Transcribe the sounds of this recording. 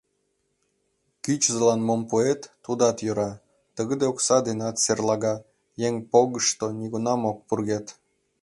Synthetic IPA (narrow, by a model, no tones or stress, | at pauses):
kyt͡ɕzəlɑnmompuet̪ːud̪ɑt̪jøɾɑ | t̪əɣəd̪eoksɑd̪enɑt̪serlɑɣɑ | jeŋpoɣəʃt̪oniɣunɑmok̚purɣet̪